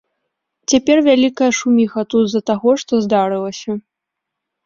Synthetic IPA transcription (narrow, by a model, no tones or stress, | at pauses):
t͡sʲapʲɛrvʲalʲikɐjɐʂumʲixɐt̪ud̪zɐt̪aɣɔʂt̪ɔzd̪aɾɨlˠɐsʲɐ